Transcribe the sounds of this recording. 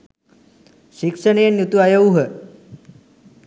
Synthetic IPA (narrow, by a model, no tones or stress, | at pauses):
ʃikʂəɳeːnjut̪uajɐuɦə